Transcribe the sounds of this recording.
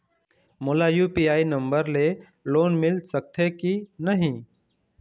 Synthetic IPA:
moːlaːjuːpiːaːiːnəmbəɾleː | loːnmɪlsək̚t̪ʰeːkiːnəɦĩː

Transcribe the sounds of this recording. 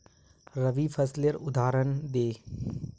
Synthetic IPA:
ɾəʋipʰəsleɾʊd̪aːɾənd̪eː

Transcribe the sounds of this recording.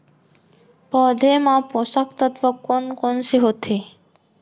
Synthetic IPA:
pɔd̪ʱemãposakt̪ət̪ʋəkonkonʃeɦot̪ʰe

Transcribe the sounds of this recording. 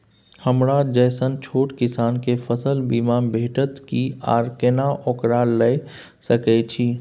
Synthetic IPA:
həmɾad͡ʒəsənt͡ʃʰoːʈkɪsaːnkepʰəsəlbimaːnbʱeːʈət̪kia̰ːɾkenaʔokɾaləj | səkɛt͡ʃʰiː

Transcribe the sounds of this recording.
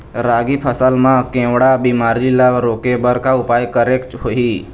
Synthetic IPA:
ɾaːɡipʰəsəlmãkẽːwɽabimaːɾilaɾoːkebəɾkaʊpaːjkəɾeːkʈɦoiː

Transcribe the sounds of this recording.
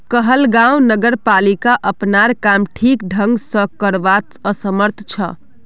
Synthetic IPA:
kəɦəlɡãw̃nəɡəɾpalikaʔəpnaɾkamʈʰikɖʱə̃ŋɡsə̃kəɾbat̪əsəməɾt̪ʰt͡ʃʰə̰

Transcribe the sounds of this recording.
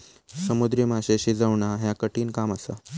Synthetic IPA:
səmud̪ɾjimaɕeɕid͡zaʋɳaɦjakəʈiːnkamasa̰

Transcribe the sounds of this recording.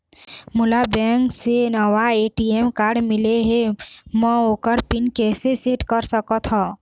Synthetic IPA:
mʊlabɛ̃ːŋksenəwaeːʈiemkaːɾɖmɪleɦemə̃oːkəɾpɪnkɛːseseʈkəɾsəkət̪ʰɦɔ̃

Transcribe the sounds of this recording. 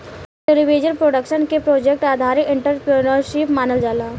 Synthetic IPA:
ʈeliʋeːd͡ʒəɾpɾoːɖəkʃənkepɾoːd͡ʒek̚ʈaːd̪ʱaːɾɪkɪ̃ɳʈəɾpɾenəɾʃɪpmaːnəld͡ʒaːlaː

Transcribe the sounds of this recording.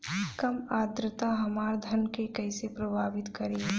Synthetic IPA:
kɐmaːd̪ɾət̪aɦɐmaːɾd̪ʱɐnkekɛɪsepɾɐbʱaːʋɪt̪kɐɾeː

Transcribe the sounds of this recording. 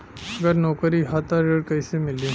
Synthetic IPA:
əɡəɾnɔkəɾiɦat̪aɾeɽkəjsemilːi

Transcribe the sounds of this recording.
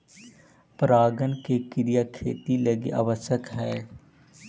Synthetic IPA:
pɾaːɡənkekɪɾijakʰḛːt̪iləɡḛʔa̰ʋəʃəkɦɛː

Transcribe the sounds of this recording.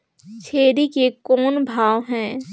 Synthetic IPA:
t͡ʃʰeːɾikekɔːnbʱaːwɦɛ̃ː

